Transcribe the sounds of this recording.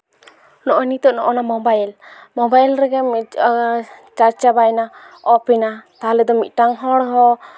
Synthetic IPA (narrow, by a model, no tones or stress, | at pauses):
nɔʔɔnit̪ɔʔnɔʔɔnamɔbajlmɔbajlɾɛɡɛmi | t͡ʃaɾt͡ʃabajnaɔpinat̪aɦlɛd̪ɔmit̪̚ˀʈaŋɦɔɽɦɔ